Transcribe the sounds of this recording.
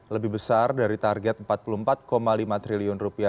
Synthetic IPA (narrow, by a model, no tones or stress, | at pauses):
ləbɪhbəsardaɾit̪arɡɛt̪̚mpat̪̚puluəmpat̪̚komalimat̪ɾiliʊnrupia